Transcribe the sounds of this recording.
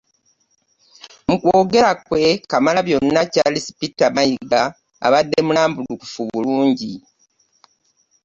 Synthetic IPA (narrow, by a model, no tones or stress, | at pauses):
mukwoːɡe̞ɾakwe̞kamalaβjo̞nːacalisi̥pitːamajiɡa̰ː | βadːe̞mulaːmbuluku̥fuβuluːɲɟi